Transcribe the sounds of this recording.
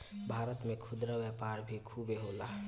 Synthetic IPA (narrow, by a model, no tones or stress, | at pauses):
bʱaːɾət̪mẽkʰʊd̪ɾəʋəpaːɾbʱikʰuːbeɦoːlaː